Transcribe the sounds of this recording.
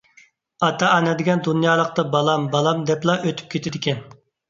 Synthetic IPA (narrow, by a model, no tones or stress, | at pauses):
ɑt̪ʰɑɑnɛd̪ɪɡʲɛnd̪unjɑːlˠəq̚t̪ɑbɑlˠɑmbɑlˠɑmd̪ɛplˠɑʔøt̪ʰy̥p̚kʲʰet̪ʰɪd̪ɪkʲɛn